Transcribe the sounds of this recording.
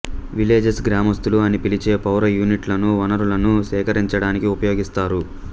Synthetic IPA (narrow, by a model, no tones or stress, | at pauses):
ʋileːd͡ʒesɡɾaːmɐst̪uluɐnipilit͡ʃe̞ːpɐwɾɐjuːniʈlɐnuʋɐnɐɾulɐnusɛːkɐɾiɲt͡ʃɐɽaːnikiupɐjo̞ːɡist̪aːɾu